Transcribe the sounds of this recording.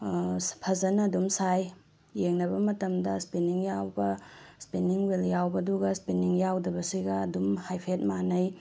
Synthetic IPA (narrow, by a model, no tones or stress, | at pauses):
pʰɐzɐnɐːdumsajː | eŋnɐbɐmɐtɐmdɐspiniŋjawbɐspiniŋweljawbɐduɡɐspiniŋjawdɐbɐsiɡɐːdumhajpʰet̚manɐj